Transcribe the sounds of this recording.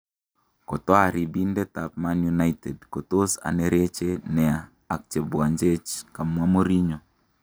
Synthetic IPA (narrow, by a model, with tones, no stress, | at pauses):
kɔ˨twa˦˨ɾi˨bi˦ndɛ˦ta˨p̚ma˦nju˦na˦jte˨dko˨to˦sa̰˨ne˨ɾe˦t͡ʃe˦nɛ˨aː˨ | k̚t͡ʃe˨bu˨a˨ɲd͡ʒe˦t͡ʃka˨mwa˦mo˦ɾi˦ɲo˨